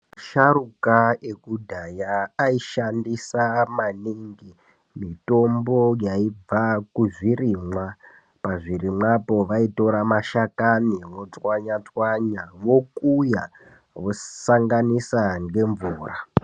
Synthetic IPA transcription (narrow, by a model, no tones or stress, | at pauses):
ʃarukaekudʱajaːiʃandisamaniŋɡi | mito̞mbo̞jaib͡vakuʐiriːmwa | paʐirimwapo̞ʋaito̞ɾamaʃakaniʋo̞t͡swaɲat͡swaɲaʋo̞kuja | ʋosaŋɡanisaŋɡe̞ɱvuːra